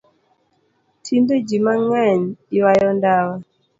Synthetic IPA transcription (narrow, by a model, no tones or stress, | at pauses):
tʰinded͡ʒimaŋaɲiwajɔndawa